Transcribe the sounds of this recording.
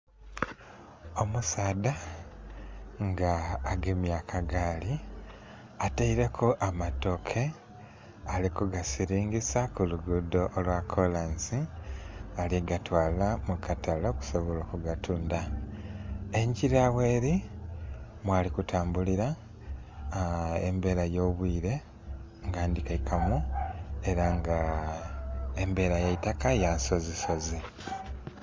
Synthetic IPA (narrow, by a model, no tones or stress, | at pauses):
o̞musaːda | ŋɡaːɡemjaːkʰaɡaːli | ataiɾe̞kʰoʔamato̞kʰe̞ | alikuɡasiɾiːŋɡisakuluɡudoʔːlwakʰolansi | aliɡatwaːlamukatʰaloku̥so̞βo̞lo̞ːkuɡatuːnda | e̞ɲɟiɾaweːɾi | mwaːlikutʰaːmbuliɾa | ḛmbe̞ːɾajo̞ːβwiːɾe̞ | ŋɡaːndikaikʰamue̞ɾaŋɡa | embe̞ːɾajaitakajanso̞ziso̞zi